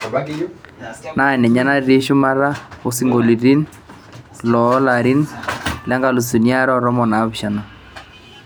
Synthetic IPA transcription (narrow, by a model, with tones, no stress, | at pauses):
na˦˨nɛ˨ɲa˦na˦ɾe˦ʃʊ˦ma˦ɾa˦o˦si˦ŋɡo˨li˨ɾi˦n | lɔ˨˦la˨ɾi˦nla˦ŋɡa˨lu˨su˨nja˦ɾɔ˦ɾɔ˦mɔ˨na˨˦βʃa˨na˨